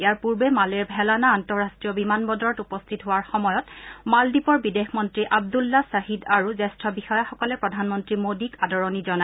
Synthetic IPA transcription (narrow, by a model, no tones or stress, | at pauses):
ejaɹpuɹbɛmalɛɹbʱɛlanaːntɔɹastɹijɔbimanbɔdɔɹɔtupɔstʰitɦʊwaɹxɔmɔjɔtmaldipɔɹbidexmɔntɹiʔab̚dulːasaɦidaɹuzɛstɹɔbixɔjaxɔkɔlɛpɹɔdʱanmɔntɹimodikadɔɹɔnizɔna